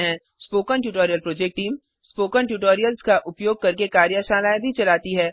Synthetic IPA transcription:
ɦɛ̃ | spoːkənʈjuːʈoːɾijəlpɾoːd͡ʒek̚ʈːiːm | spoːkənʈjuːʈ̬oːɾijəlskaʔʊpjoːɡ̚kɐɾkekaːɾjəʃaːnaːjbʱit͡ʃɐlaːt̪iɦɛː

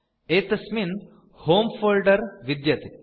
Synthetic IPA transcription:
eːt̪ɐsmin | hoːmfoːlɖəɾʋid̪jɐt̪i

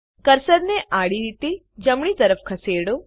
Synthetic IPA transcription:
kəɾsəɾneʔaːɽiɾit̪i | d͡ʒəmɳ̃it̪əɾəpʰkʰəseːɽo

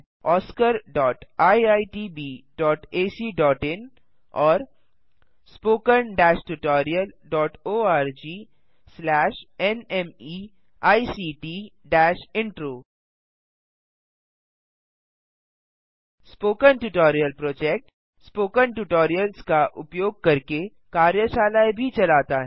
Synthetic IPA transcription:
ɔːskəɾɖɔːʈaːiaːiʈiːbiːɖɔːʈeːsiːɖɔːʈɪn | ɔːɾ | spoːkənɖɛːʃʈuʈɔːɾiəlɖɔːʈoːaːɾd͡ʒiː | slɛːʃɛnɛmiː | aːisiːʈiːɖɛːʃɪ̃ɳʈɾoː | spoːkənʈʊʈɔːɾijəlpɾoːd͡ʒɛk̚ʈ | spoːkənʈuʈɔːɾijəlskaʔʊpjoːɡ̚kɐɾke | kaːɾjəʃaːlajbʱit͡ʃɐlaːt̪aɦɛː

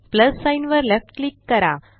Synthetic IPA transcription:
plɐsːãɪnʋɐɾlɛfʈ̚klikːɐɾa̰ː

